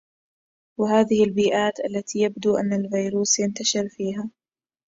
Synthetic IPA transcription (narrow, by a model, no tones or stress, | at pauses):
wɪɦaːðɪhɪlbiːʔaːt̪ʔalːat̪iːjabd̪uːʔanːalvijɾuːsjant̪aʃɪɾfiːɦaː